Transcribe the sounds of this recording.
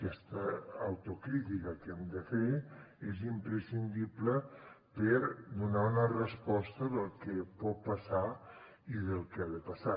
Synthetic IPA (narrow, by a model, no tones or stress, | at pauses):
kɛst̪əːwt̪ukɾit̪ikəkɛmd̪əfeezimpɾəsind̪iplə | pəɾd̪unaunərəspɔst̪əðəlˠkepɔt̪̚pəsa | iðəlˠkaðəpasa